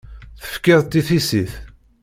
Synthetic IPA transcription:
θə̥fkɪðˤt̪ːiθisiθ

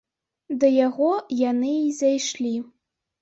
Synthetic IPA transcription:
d̪ɐjaɣɔjanɨːzʲajʂlʲi

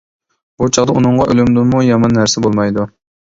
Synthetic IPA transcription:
b̥ut͡ʃʰɑʁd̪ɑunɨɴʁɑʔølymd̪unmujɑmɑnːæɾsɪbolˠmɑjd̪u

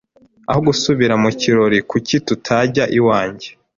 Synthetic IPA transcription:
ahoɡusuβiɾamuciɾo̞ɾikucitutʰaɟaʔiwaːɲɟe̞

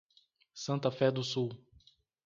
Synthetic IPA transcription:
sɐ̃nt̪ɐfɛd̪ʊsuw

